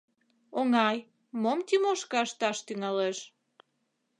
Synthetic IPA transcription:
oŋɑj | momt̪ʲimoʃkɑʃt̪ɑʃt̪yŋɑleʃ

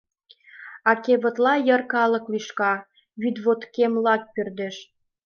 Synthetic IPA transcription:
ɑkeβə̆t̪lɑjərkɑlə̆kliʃkɑ | βyd̪βot̪kemlɑk̚pørd̪eʃ

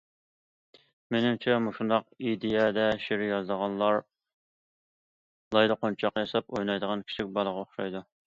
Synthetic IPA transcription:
menɪmt͡ʃʰɛmuʃund̪ɑqid̪ijɛd̪ɛʃeɾɪjɑzd̪əʁɑnlˠɑɾ | lˠɑjd̪əqont͡ʃʰɑqjɑsɑpojnˠɑjd̪əʁɑnkʲʰi̥t͡ʃʰɪk̚ʲbɑlˠəʁɑoχʃɑjd̪u

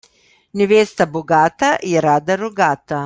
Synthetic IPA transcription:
neʋeːst̪aboɡaːt̪ajɛɾaːd̪aɾoɡaːt̪a

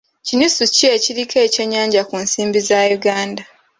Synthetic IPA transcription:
cinisucieciɾikʰe̞ce̞ɲːaːɲɟakunsiːmbizajuɡaːnda

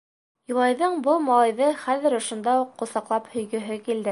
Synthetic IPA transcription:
jŏlˠɑjðɤɴbɤlˠmɑlˠɑjðɤχæðɘ̆ɾŏʃŏnd̪ɑuqːŏsɑqlˠɑphɵ̆jɡɵ̆ɦɘkild̪ɘ

